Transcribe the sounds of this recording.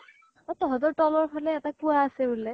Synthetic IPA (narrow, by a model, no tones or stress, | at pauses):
atɔɦɔtɔɹtɔlɔɹpʰalɛːtakuaːsɛbulɛ